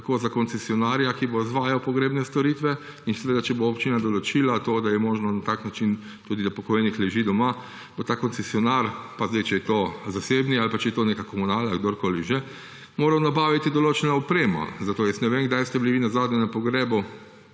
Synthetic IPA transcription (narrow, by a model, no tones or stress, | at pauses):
koːzakɔnt̪sɛsiɔnaːɾijakiboizʋaːjawpɔɡɾeːbnɛst̪ɔɾit̪ʋɛ | insɛʋeːd̪at͡ʃɛboopt͡ʃinad̪ɔlɔt͡ʃilat̪oːd̪ajɛmoːʒnɔnat̪aknat͡ʃin | t̪uːd̪id̪apɔkoːjnixlɛʒid̪ɔma | b̥ot̪aːkɔnsɛsiɔnaɾpazd̪ɛjt͡ʃɛjɛt̪ozaseːbnialpat͡ʃɛjɛt̪oːnekakɔmunaːlaɡd̪oɾkoːliʒɛ | moːɾawnabaːʋit̪id̪ɔloːt͡ʃɛnaɔpɾeːma̰zat̪oːjɛst̪nɛʋeːnɡd̪ajst̪ɛbliʋinazaːd̪nʲɛnapɔɡɾeːbu